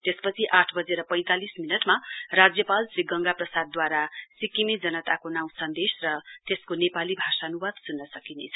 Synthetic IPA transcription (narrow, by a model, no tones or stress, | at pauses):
t̪espʌt͡sʰiʔaʈʰbʌd͡zeɾʌpʌ̃j̃t̪alisminʌʈmarad͡zjʌpalsriɡʌŋɡaprʌsad̪̚ːwaɾasikimid͡zʌnʌt̪akonaw̃sʌnd̪esrʌt̪eskonepalibʱasanuwad̪sunːʌsʌkinḛt͡sʰʌ̥